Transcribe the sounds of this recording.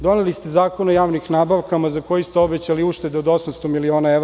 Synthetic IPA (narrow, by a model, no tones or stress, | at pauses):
d̪o̞nelist̪ezaːko̞nojaːʋnixnaːbaʋkamazako̞jist̪eobet͡ɕaliuːʃt̪e̞d̪eod̪o̞samst̪o̞milio̞ːnaeʋɾ